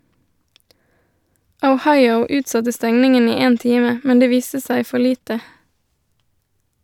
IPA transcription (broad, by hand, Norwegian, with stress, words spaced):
əʊˈhɑɪəʊ ˈʉːtˌsɑtə ˈstɛŋnɪŋən ˈiː ˈeːn ˈtiːmə ˈmɛn ˈdeː ˈʋiːstə ˈsæɪ ˈfɔ ˈliːtə